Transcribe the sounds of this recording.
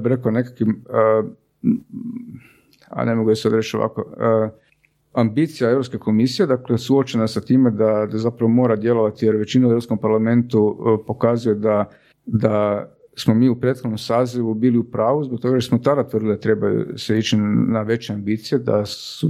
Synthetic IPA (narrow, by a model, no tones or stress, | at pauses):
jabiɾe̞kane̞kakʋimə | a̰nemoɡujasad̪ɾe̞t͡ʃoʋa̰koə | ambit̪sijae̞ʋɾopskeko̞misije̞d̪aklesuot͡ʃe̞nasat̪iːmed̪ad̪azapɾaʋomo̞ːɾad̪je̞lo̞ʋat̪ijeɾʋe̞t͡ɕinaueɾopsko̞mpaɾlame̞nt̪upo̞kazujed̪a | d̪a | smomiːupɾeːt̪xod̪no̞msaːziʋubiːliupɾaːʋuzbo̞k̚t̪o̞ɡaosmot̪ad̪at̪ʋɾrd̪ilid̪at̪ɾe̞bajṵseit͡ʃinaʋe̞t͡ɕeambiːt̪sijed̪a̰su